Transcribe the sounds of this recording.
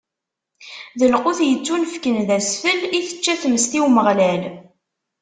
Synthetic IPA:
ðəlqʊθjət͡sːunəfkənðæsfəliθə̥t͡ʃːæθməst̪iwməʁlæl

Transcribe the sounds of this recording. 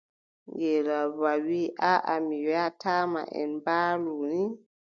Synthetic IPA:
ŋɡɛɾaβawiʔaʔamijɔjataːma̰ʔɛ̰nbaːluni

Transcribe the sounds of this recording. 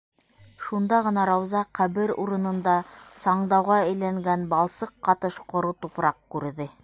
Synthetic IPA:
ʃund̪ɑʁɤ̆nɑɾɑwzɑqæβɘɾṵɾɤ̆nɤ̆nd̪ɑsɑɴd̪ɑwʁɑɘ̆jlæŋɡænbɑlˠsɤqːɑt̪ɤʃqŏɾɤt̪upɾɑq̚kʉɾðɘ

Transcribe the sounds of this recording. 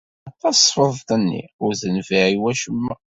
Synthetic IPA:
ætːɑsˤfəðˤt̪ənːḭʊɾðənviʕiwæʃəmːæ

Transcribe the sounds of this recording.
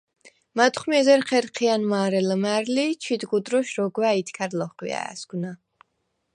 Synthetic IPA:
mat̪ʰʼχmiɛzɛɾχʰɛɾqʰianmaːɾɛləmæɾlit͡ʃʰid̪ɡud̪ɾɔʃɾɔɡwait̪ʰkʰaɾlɔχwḭa̰a̰sɡna

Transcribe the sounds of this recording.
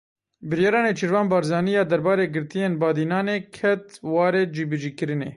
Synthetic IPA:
bɨɾjɑːɾɑːneːt͡ʃʰiɾvɑːnbɑːɾzɑːnijɑːd̪ɛɾbɑːɾeːɡɨɾt̪ijeːnbɑːd̪iːnɑːneːkʰɛt̪wɑːɾeːd͡ʒiːbɨd͡ʒiːkɨɾɨneː

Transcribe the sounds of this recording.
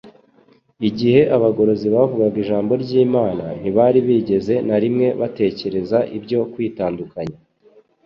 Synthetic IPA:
iɟihe̞ʔaβaɡo̞ɾo̞ziβavuɡaɡiʒaːmbo̞ɾɟiːmaːnaniβaɾiβiːɟe̞ze̞naɾimŋe̞βate̞ːce̞ɾe̞zaʔibɟo̞kwiːtaːndukaɲa

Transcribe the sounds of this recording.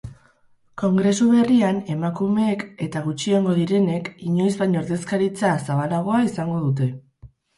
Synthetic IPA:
ko̞ŋɡɾe̞suβe̞riane̞makume̞ːke̞t̪aɣ̞ut͡ʃieŋɡo̞ðiɾe̞ne̞kiɲo̞jzβajɲo̞ɾðe̞skaɾit͡sasaβalaɣ̞o̞aisaŋɡo̞ðut̪e̞

